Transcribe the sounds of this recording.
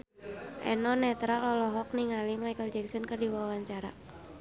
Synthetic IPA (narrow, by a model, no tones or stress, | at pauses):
ʔɛ̰nɔnɛt̪ɾalɔlɔɦɔk̚niŋalimaikɔld͡ʒɛksənkərdiwawaɲt͡ʃaɾa̰